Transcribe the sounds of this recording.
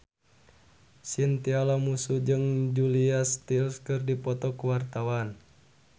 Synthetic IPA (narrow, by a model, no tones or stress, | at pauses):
sint̪ialamusud͡ʒɨŋd͡ʒuliast̪ilskɨrdipɔt̪ɔkuwart̪awan